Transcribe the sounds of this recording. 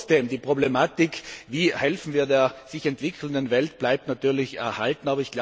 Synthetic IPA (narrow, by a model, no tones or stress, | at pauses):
sd̥eːmdiːpʁ̥oblemaːtɪkʰviːhɛlfn̩viːɐdeːɐz̥ɪçɛntv̥ɪkʰl̩ndənvɛlt̚b̥laɪp̚tnatyːɐlɪçɛɐhaltn̩aːbɐɪçɡ̥la